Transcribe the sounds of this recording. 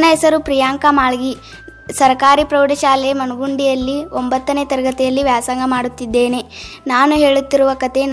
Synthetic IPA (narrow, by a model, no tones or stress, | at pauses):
nɐɦɛsɐɾupɾijaːŋkamaːɭɡi | sɐɾɐkaːɾipɾɐwɖɐʃaːlɛjɐmɐnuɡuɳɖijɐlːiombɐt̪ːɐneːt̪ɐɾɐɡɐt̪ɛjɐlːiʋjaːsaːŋɡɐmaːɽut̪ːid̪ːe̞ːne̞naːnuɦe̞ːɭut̪ːiɾuʋɐkɐt̪e̞n